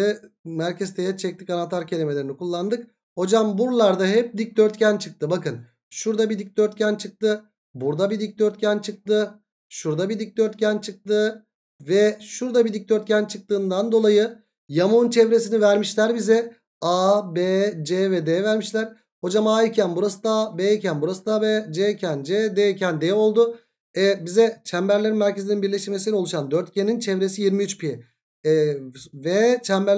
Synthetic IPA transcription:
ɛ | mæɾcʰɛzt̪ʰejɛt͡ʃʰɛc̚t̪icanat̪ʰaɾcʰe̞lʲimelʲe̞ɾinikulˠːand̪ɯk | ho̞d͡ʒambuɾlˠaɾd̪aɦɛp̚d̪ic̚d̪øɾt̪cʰænt͡ʃʰɯk̚t̪ʰɯbakɯn | ʃuɾd̪abid̪ic̚d̪øɾt̪̚cʰænt͡ʃʰɯk̚t̪ɯ | buɾd̪abid̪ic̚d̪øɾt̪̚cʰænt͡ʃʰɯk̚t̪ɯ | ʃuɾd̪abid̪ic̚d̪øɾt̪cʰænt͡ʃʰɯk̚t̪ɯ | vɛʃuɾd̪abid̪ic̚d̪øɾt̪cʰʲænt͡ʃʰɯk̚t̪ɯːnd̪and̪o̞lˠajɯ | jamunt͡ʃʰɛvɾes̬inivæɾmiʃlʲæɾbizɛ | abed͡ʒevɛd̪eːvæɾmiʃlʲæɾ̥ | ho̞d͡ʒamaːicʰænbuɾasɯd̪abeːcʰænbuɾasɯd̪abed͡ʒecʰænd͡ʒed̪eːcʰænd̪eo̞lˠd̪ʊ | ɛbizɛt͡ʃʰæmbæɾlʲe̞ɾinmæɾce̞zininbiɾlʲeʃimesinɛo̞lˠuʃand̪øɾt̪̚cʰenint͡ʃʰɛvɾe̞sijiɾmiyt͡ʃpʰi | vɛt͡ʃʰæmbæɾ

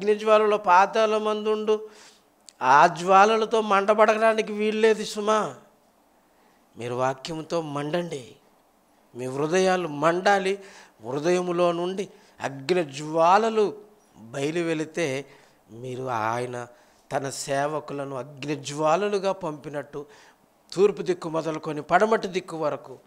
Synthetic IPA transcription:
ɐɡnɐd͡ʒʋaːlɐloːpaːt̪ɐlɐmɐnd̪uɳɖu | aːd͡ʒʋaːlɐlɐt̪o̞ːmɐɳɖɐbɐɽɐɡɐɽaːnikiʋiːɽle̞ːd̪isumaː | miːɾuʋaːkjɐmt̪o̞ːmɐɳɖɐɳɖi | miːʋɾud̪ɐjaːlumɐɳɖaːliʋɾud̪ɐjɐmlo̞ːnuɳɖi | ɐ̰ɡnɐd͡ʒʋaːlɐlu | bɐjɐluʋe̞lit̪e̞ː | miːɾuaːjɐnɐ | t̪ɐnɐsɛːʋɐkulɐnuɐɡnɐd͡ʒʋaːlɐluɡaːpɐmpinɐʈːu | t̪uːɾpud̪ikːumɔd̪ɐluko̞nipɐɽɐmɐʈːid̪ikːuʋɐɾɐku

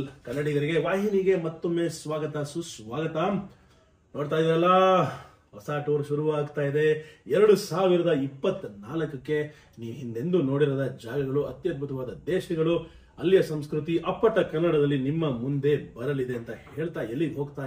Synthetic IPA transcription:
kɐnːɐɽiɡɐɾiɡe̞ʋaːɦiniɡe̞mɐt̪ːomːeːsʋaːɡɐt̪ɐsusʋaːɡɐt̪a | no̞ːɖt̪aːjd̪iɾɐlːɐ | hɔsaːʈoːɾʃuɾuʋaːɡt̪aːjid̪e̞ɛɾɐɽusaːʋiɾɐd̪ɐipːɐt̪ːnaːlɐkɐkːe̞ | niːʋɦind̪e̞nd̪uno̞ːɽiɾoːd̪ɐd͡ʒaːɡɐɡɐɭuɐt̪jɐt̪̚bʱut̪ɐʋaːd̪ɐd̪eːʃniɡɐɭu | ɐlːijɐsɐmskɾut̪̬iʔɐpːɐʈːɐkɐnːɐɽɐd̪ɐlːinimːɐmund̪e̞bɐɾɐlid̪e̞ɐnt̪ɐhe̞ːɭt̪aːelːiɦo̞ːɡt̪aː

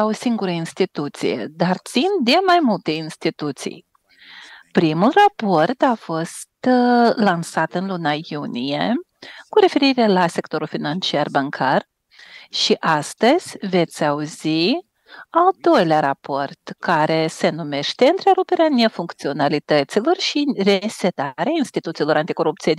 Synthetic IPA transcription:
aosiŋɡuɾəinst̪it̪ut̪sḭjḛd̪art̪sind̪e̞majmult̪e̞inst̪it̪ut̪sḭj | pɾimulrapo̞rt̪afo̞st̪lansat̪ɨnlunajunije̞ | kuɾe̞fe̞ɾiɾe̞lase̞kt̪o̞ɾulfinant͡ʃiarbaŋkʰar | ʃiʔast̪əz̥ʲve̞t̪sʲauzi | ald̪o̞jleaɾapo̞rt̪kaɾe̞se̞nume̞ʃt̪e̞ɨnt̪ɾe̞ɾupe̞ɾeane̞fuŋkt̪sio̞nalit̪ət̪silo̞rʃire̞se̞t̪aɾeainst̪it̪ut̪silo̞ɾant̪iko̞ɾup̚t̪sijed̪

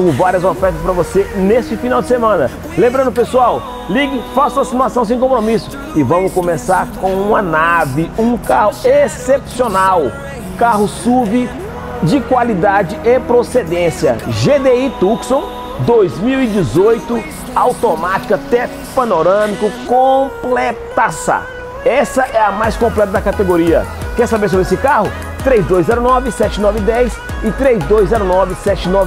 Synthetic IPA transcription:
ʊvaɾiɐzofɛɾt̪ɐspɐɾɐvoseneʃt͡ʃɪfinawd͡ʒɪsemɐ̃nɐ | lẽmbɾɐ̃nʊpesuaw | liɡɪfasuasimuasɐ̃w̃s̬ẽj̃kõpɾomisʊ̥ | ɪvɐ̃mʊskomesaɾkõũmɐnavɪũkaɦʊesepsionaw | kaɦʊsubɪ | d͡ʒɪkwalid̪ad͡ʒɪepɾosed̪ẽsiɐʒed̪eit̪uksõ | d̪ojzmiwid͡ʒɪzojt̪ʊ | awt̪omat͡ʃi̥kɐt̪ɛ | pɐnoɾɐ̃mikʊkõplet̪asa̰ | ɛsɐʔɛɐmajskõplɛt̪ɐd̪ɐkat̪eɡoɾiɐ̰kɛɾsabeɾs̬obɾesɪkaɦʊ | t̪ɾejzd̪ojzzɛɾʊnɔvɪsɛt͡ʃɪnɔvɪd̪ɛjs | ɪt̪ɾejzd̪ojzzɛɾʊnɔvɪsɛt͡ʃɪnɔv

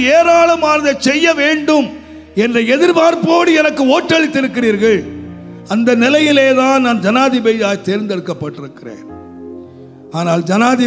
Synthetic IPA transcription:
eːɾaːlɐmaːnɐðɐt͡ʃɛjːɐʋeːɳɖɯm | ɛndrɐɛðɪɾbaːɾpoːɽɯɛnɐkːɯoːʈːɐɭɪt̪ːɪɾɯkːɪriːɾɣɐɭ | ɐnd̪ɐnɪlɐjɪleːðaːnnaːnd͡ʒɐnaːðɪbɛjjaːjt̪eːɾnd̪ɛɽɯkːɐpːɐʈːɪɾɯkːɪrḛːn | aːnaːld͡ʒɐnaːðɪ

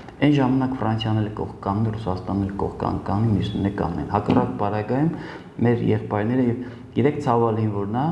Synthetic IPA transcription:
ɛnʒɑmɑnɑkfrɑnsʰjɑnɛlkɔ̰χkːɑnnɛrusɑst̪ɑnːɛlkɔ̰χkɑ̰nkːɑnninisnɛkɑ̰nnɛ̰nhɑkɑrɑkpɑɾɑɡɑjum | mɛɾjɛ̰χpɑjɾnɛɾəjɛv | jɛɾɛkʰt͡sʰɑvɑlinvɔɾnɑ

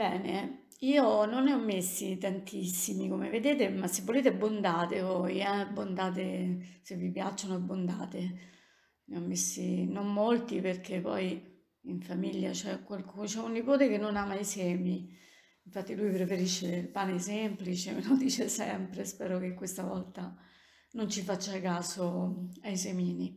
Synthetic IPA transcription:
bɛːne | iːononːeɔmːesːit̪ant̪isːimikomḛved̪eːt̪emasːevːoleːt̪eabːond̪aːt̪epɔjɛabːond̪aːt̪̬esevːipjat͡ʃːonoabːond̪a̰ːt̪e | neɔmːesːinommolt̪iperkʰepːɔ̰j | iɱfamiljat͡ʃɛkwalkut͡ʃɛunːipoːt̪ekenːonamaisɛːmi | iɱfat̪ːilujpɾefeɾiʃːeilpaːnesemplit͡ʃemelod̪iːt͡ʃesɛmpɾespɛːɾokekːwest̪avɔlt̪a | nont͡ʃifat͡ʃːakaːsoajsemiːni

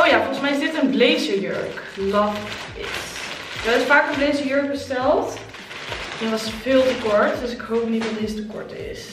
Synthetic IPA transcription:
owjaːfɔlˠχənsmɛjɪzdɪtənblejsəɹjø̰ɹk | lɑf | ɪ̰s | dɑɪsfaːkənblejsəɹjøɹk̚bəstɛlˠt | ɛntʋɑsfɪːlˠtəkɔɹtdɵsɪkɦowp̚nit̚dɑtdɪstəkɔ̰ɹtɪ̰s

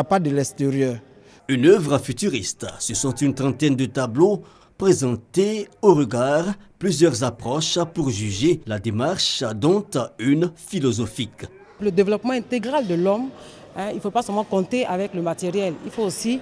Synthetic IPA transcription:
pad̪əlɛst̪eʁjœ | ynœvʁəfyt̪yʁist̪səsɔ̃t̪ynt̪χɑ̃t̪ɛnd̪ət̪ablo | pχezɑ̃t̪eoʁəɡaʁplyzjœʁzapχɔʃpuʁʒyʒelad̪emaʁʃd̪ɔ̃t̪ynfilɔzɔfik | ləd̪evlɔpmɑ̃ɛ̃t̪eɡʁald̪əlɔm | ɛ̃ilfopasɛlmɑ̃kɔ̃t̪eʔavɛkləmat̪eʁjɛlḭlfoosi

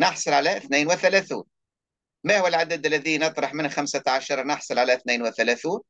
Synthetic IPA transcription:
nɑħsˤɑlʕalæʔθniːnwɪθælæθuːn | mæhuwəlʕad̪əd̪əlːæðinɨt̪ˤɾˤɑħmɪnxamsaʕaʃɑɾˤɑnɑħsˤɑlʕalæʔθniːnwɪθælæθuːn

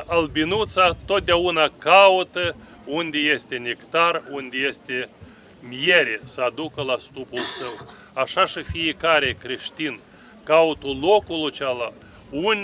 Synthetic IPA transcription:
albinut̪sat̪o̞t̪̚d̪eaunakaut̪ə | und̪ʲe̞je̞st̪e̞nʲekt̪arund̪ʲejest̪e | mijeɾesəad̪ukəlast̪upulsəw | aʃaʃifijekaɾe̞kɾe̞ʃt̪in | kaut̪ulo̞kulut͡ʃala | unʲ

